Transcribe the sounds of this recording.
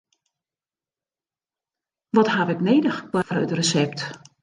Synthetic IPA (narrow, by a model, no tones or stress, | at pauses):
ʋɔthaʋɛkneːdəxplarə̰trəsɛp̚t